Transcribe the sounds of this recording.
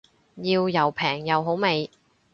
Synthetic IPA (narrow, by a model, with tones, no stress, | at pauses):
jiː˧wjɐ˨˩wpʰɛː˨˩ŋjɐ˨wɦo˨˥wme˨˧j